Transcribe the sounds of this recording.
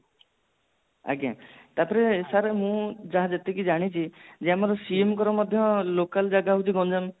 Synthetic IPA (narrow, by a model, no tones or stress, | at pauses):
a̰ɡiã̰t̪apɔɾeːsaɾemũd͡ʒaɦãd͡ʒet̪ekid͡ʒaɽ̃it͡ʃʰid͡ʒeamɔɾɔsiemkɔɾɔmɔd̪ʱjɔlokald͡ʒaɡaɦut͡ʃʰiɡɔ̃nd͡ʒam